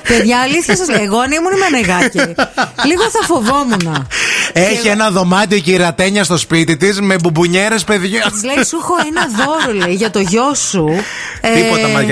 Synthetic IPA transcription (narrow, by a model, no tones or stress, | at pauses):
pe̞ðʝɐːliθçɐsɐzleɣoɐnimunimeneɣɐciliɣoθɐfo̞vo̞munɐeçienɐðo̞mɐt̪io̞ciɾeɐt̪eɲɐst̪o̞spit̪it̪izmebubuɲeɾe̞spe̞ðʝoɐlesuxo̞enɐðo̞ɾoleiʝɐt̪o̞ʝo̞su | iot̪ɐɐ